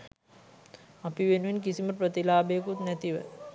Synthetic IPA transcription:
apiʋenuʋinkisiməpɾət̪ilaːbeːkut̪næt̪iʋə̰

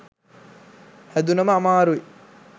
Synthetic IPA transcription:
hæd̪unɐməamaːɾui

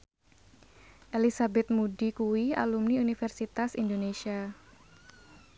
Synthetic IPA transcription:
ʔelisabɛt̪̚mudikuwia̰lumniunifɛrsit̪asḭndoneʃia

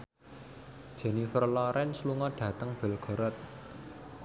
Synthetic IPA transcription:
d̥ʒ̥ɛ̤nifərlɔɾʔɛnsluŋɔɖ̥ä̤t̪əŋb̥ɛ̤lɡ̥ɔ̤ɾɔt̪̚

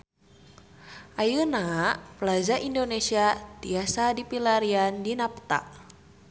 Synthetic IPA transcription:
ʔajənapəlad͡ʒaʔindonesiat̪iasadipilaɾiandinapt̪a̰ʔ

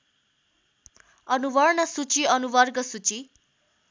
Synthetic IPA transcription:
ʌnubʌrnʌsut͡siʌnubʌrɡʌsut͡si

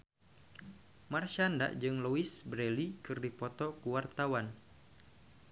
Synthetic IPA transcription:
marʃanda̰ʔd͡ʒɨŋluisbɾɛlikɨrdipɔt̪ɔkuwart̪awan

